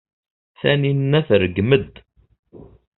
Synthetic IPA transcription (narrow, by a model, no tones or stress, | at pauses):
θæninnːæθrəɡməd̪